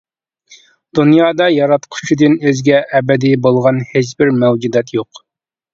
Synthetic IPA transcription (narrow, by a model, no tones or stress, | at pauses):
d̪̥unjɑːd̪ɑjɑɾɑt̪qʰʊ̥ʃid̪ɨnøzɡʲɛʔːbɛd̪ibolˠʁɑnhet͡ʃbɪɾmɛwd͡ʒud̪ɛt̪ʰjoq